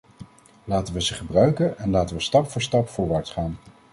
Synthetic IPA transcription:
laːtənʋəzəχəbrœɥkənɛnlaːtənʋəstɑpfʊːɹstɑpfʊːɹʋaɹtχaːn

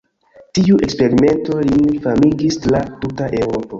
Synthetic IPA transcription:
tiuʔe̞kspe̞ɾime̞nto̞lifamiɡislatutaʔe̞wɾo̞po̞

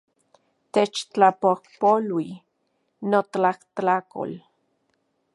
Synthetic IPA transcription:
t̪et͡ʃt͡ɬapohpolwi | not̪aht̪ako̰l

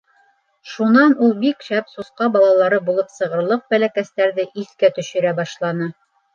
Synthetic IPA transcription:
ʃunɑnulˠbikʃæpsusqɑbɑlˠɑlˠɑɾɤbulˠɤpsɤ̆ʁɤ̆ɾlˠɤq̚bælækæst̪æɾðɘʔiθkæt̪ɵ̆ʃɘ̆ɾæbɑʃlˠɑnɤ

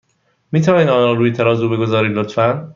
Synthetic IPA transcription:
miːt̪ʰævɒːniːd̪ɒːnɒːɾuːjet̪ʰæɾɒːzuːbe̞ɡo̞zɒːɾiːd̪lot̪fæn

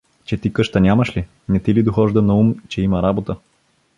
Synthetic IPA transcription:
t͡ʃɛt̪ikɤʃt̪ənʲaməʃli | nɛt̪ilid̪oxɔʒd̪ɐnɐumt͡ʃɛimɐɾabot̪ə

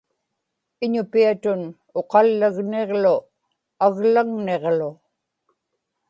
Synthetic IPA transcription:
ɪɲʊpiat̪ʊn | oqɑlːaɣneʁlʊ | aɣlaŋne̞ʁlʊ

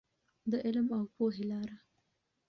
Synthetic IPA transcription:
d̪əʔɪlmawpoɦelɑɾa

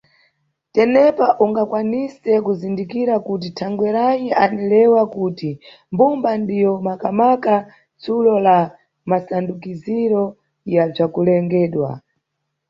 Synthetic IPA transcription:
tɛnɛpaʔuŋɡakwanisɛkuzindikiɾakut̬itʰaŋɡwɛɾajiʔanilɛwakuti | mbumbandijɔmakamaka | t͡sulɔla | masandukiziɾɔ | jab͡ʐakulɛŋɡɛːɗwa̰

